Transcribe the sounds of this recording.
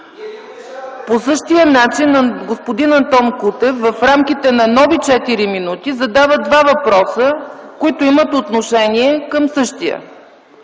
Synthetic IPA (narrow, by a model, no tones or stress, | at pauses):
posɤʃt̪ijənat͡ʃinɡospod̪inɐnt̪ɔmkut̪ɛfːɐfɾamk̟ʲit̪ɛnɐnɔvit͡ʃɛt̪iɾiminut̪izɐd̪avəd̪vavɐpɾɔsəkoit̪oimət̪ot̪noʃɛniɛkəmsɤʃt̪ijə̰